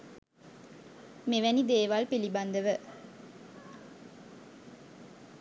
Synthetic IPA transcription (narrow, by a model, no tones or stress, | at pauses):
meʋænid̪eːʋalpiliband̪əʋə